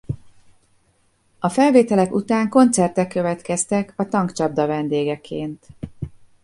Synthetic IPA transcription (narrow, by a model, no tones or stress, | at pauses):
ɒfɛlveːt̪ɛlɛkut̪aːŋko̞nt̪sɛrt̪ɛkːø̞vɛt̪kɛst̪ɛkʰɒt̪ɒŋkt͡ʃɒb̚d̪ɒvɛnd̪eːɡɛkʰːeːnt̪